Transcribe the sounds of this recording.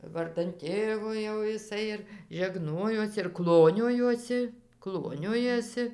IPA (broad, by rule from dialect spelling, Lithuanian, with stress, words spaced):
ˈʋɐrdɐn ˈtʲeːʋoː jɛʊ jɪˈsɐɪ ɪr ʒʲɛˈɡnoːjoːs ɪr ˈklˠoːnʲoːjoːsʲɪ ˈklˠoːnʲoːjoːsʲɪ